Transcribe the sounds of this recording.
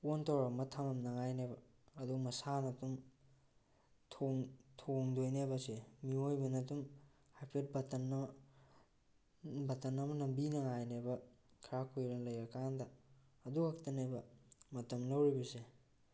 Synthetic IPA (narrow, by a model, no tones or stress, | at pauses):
ontʰawɾɐmɐtʰamɐmnɐŋajnabɐː | dumɐsanɐtum | tʰoŋtʰoŋdojnajbɐsemiojbɐnɐtum | hajpʰet̚bɐtɐnːɐ | bɐtɐnɐmɐnɐmbinɐŋajnebɐkʰɾakʰojɾlɐjɾɐkandɐː | duaktɐnajbɐmɐtɐmlɐwɾibɐse